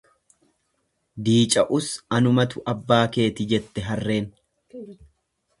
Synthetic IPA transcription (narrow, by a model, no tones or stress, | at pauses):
d̪iːt͡ʃʼɐʔʊsɐnʊmɐt̪ʊʔɐbːaːke̞ːt̪ɪd͡ʒɛt̪ːɛɦɐrːe̞ːn